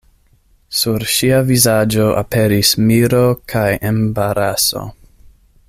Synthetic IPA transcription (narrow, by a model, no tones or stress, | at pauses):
suɾʃiavizad͡ʒo̞ʔa̰pe̞ɾismiɾokʰajembaɾaso̞̰